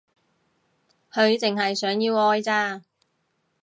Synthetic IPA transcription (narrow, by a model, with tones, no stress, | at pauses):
hɵ˨˧ɥt͡sɪ˨ŋhɐ˨jsœː˨˥ŋjiː˧wɔː˧jt͡saː˧